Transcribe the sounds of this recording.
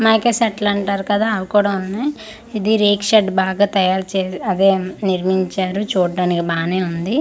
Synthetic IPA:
maːkesɐʈlɐɳʈaːɾukɐd̪aːɐʋukɔːɽɐmɐnːaj | id̪iɾeːkʃɐɖbaːɡaːt̪ɐjaːɾt͡ʃeːɐd̪eːniɾmiɲt͡ʃaːɾut͡ʃuːɽːaːnikibaːne̞ːund̪i

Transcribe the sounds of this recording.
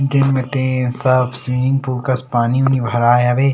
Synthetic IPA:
nt̪enmet̪eːnsaːfsʋiːnɪ̃ŋɡ̚puːɾkɐspaːniʊnibʱɐɾaːjɐʋeː

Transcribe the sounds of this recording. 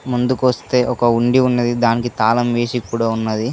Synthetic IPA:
mund̪ukʋɐst̪e̞ːʔɔkɐuɳɖiunːɐd̪id̪aːnikit̪aːlɐmʋe̞ːsikːuːɽaːunːɐd̪i

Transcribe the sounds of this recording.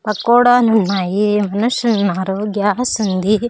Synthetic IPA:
pɐkːoːɽaːnunːaːjimɐnuʃɐnːaːɾoːɡjasund̪i

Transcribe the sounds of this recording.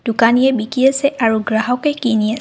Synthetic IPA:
d̥ukanijɛbikiasɛʔaɹuɡɹaɦɔkɛkinia

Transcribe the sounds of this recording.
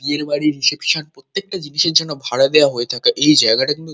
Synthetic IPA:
b̪ieɾbaɽiɾisepʃonpɾot̪ːek̚ʈad͡ʑiniʃeɾd͡ʑɔnːobʱaɽad̪eoaɦoet̪ʰakeʔejd͡ʑaeɡaʈakint̪u

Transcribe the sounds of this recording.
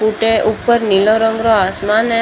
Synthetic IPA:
uʈeʔupəɾniloɾəŋɡɾoasmane

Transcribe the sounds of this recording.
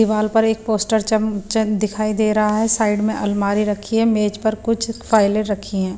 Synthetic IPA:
ɪʋaːlpɐɾeːk̚poːsʈəɾt͡ʃɐmd̪ɪkʰaːid̪eːɾɐɦaɦɛsaːɪɖmẽʔɐlmaːɾiɾɐkʰiɦɛmeːd͡ʒpɐɾkʊt͡ʃʰfaːɪleɾɐkʰiɦɛ̃ː

